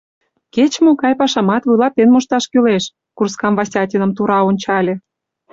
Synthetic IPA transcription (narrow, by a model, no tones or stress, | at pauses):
ket͡ɕmokɑjpɑʃɑmɑt̪βujlɑt̪ːenmoʃt̪ɑʃkyleʃ | kurskɑmvɑsʲtʲɑtʲinə̆mt̪uɾɑonʲt͡ɕɑlʲĕ